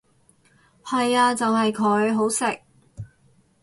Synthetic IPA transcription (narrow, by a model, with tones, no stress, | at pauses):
hɐ˨jaː˧t͡sɐ˨wɦɐ˨jkʰɵ˨˧˥ɥɦo˨˥wsɪ˨k̚